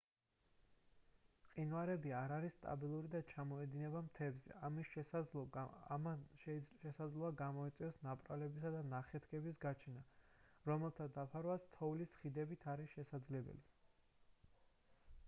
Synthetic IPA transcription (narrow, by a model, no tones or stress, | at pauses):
qʼinvaɾɛbiaɾaɾisːt̪ʼa̰bilˠuɾid̪at͡ʃʰamɔɛd̪inɛbamt̪ʰɛːbzɛ̰amis | ʃʃɛsad̪zlˠɔaɡamɔit̪sʼiɔsnapʼɾalɛbisad̪anaχɛt̪ʰkʰʼɛbisɡat͡ʃʰɛna | ɾɔmɛlˠt̪ʰad̪apʰaɾvat̪sʰt̪ʰɔulisχid̪ɛbit̪ʰaɾisʃɛsad̪zlɛbɛ̰li